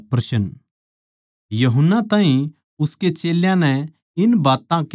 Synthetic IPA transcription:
pɾɐsən | jɐɦənːat̪ãːɦĩ | ʊsket͡ʃeːljãnɛ | ɪnbaːt̪ãk

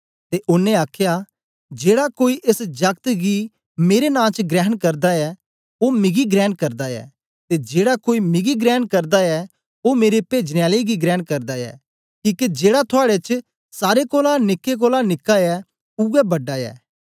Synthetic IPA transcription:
t̪eʔʊnːẽaːkʰja | d͡ʒeːɽakoːiʔesd͡ʒɐkt̪ɡi | meːɾenãːt͡ʃɡɾɛːɦənkɐɾd̪aɛ | omɪɡiɡɾɛːnkɐɾd̪aɛ̰ː | t̪ed͡ʒeːɽakoːimɪɡiɡɾɛːnkɐɾd̪aɛ | omeːɾepeːd͡ʒneaːleɡiɡɾɛːɳkɐɾd̪aɛ̰ː | kiːkid͡ʒeːɽat̪ʰʊaːɽet͡ʃ | saːɾekoːlanɪkːek̬oːlanɪkːaɛ | uɛbɐɖːaɛ̰ː

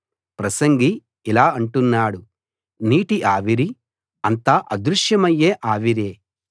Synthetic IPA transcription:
pɾɐsɐŋɡiː | laːɐɳʈunːaːɽu | niːʈiʔaːʋiɾi | ɐnt̪aːʔɐd̪ɾuʂjɐmɐjːeːʔaːʋiɾeː

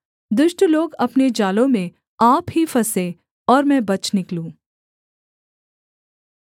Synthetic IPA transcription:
d̪ʊʃʈloːɡɐpned͡ʒaːlõmẽ | aːpɦifɐsẽ | ɔːɾmɛ̃bɐt͡ʃnɪklũː

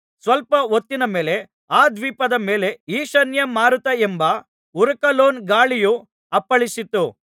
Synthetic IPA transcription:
sʋɐlpɐot̪ːinɐme̞ːle̞ | aːd̪ʋiːpɐd̪ɐmeːleiːʃɐnjɐmaːɾut̪ːɐembɐ | uɾɐkɐloːnɡaːɭiju | ɐpːɐɭisit̪ːu

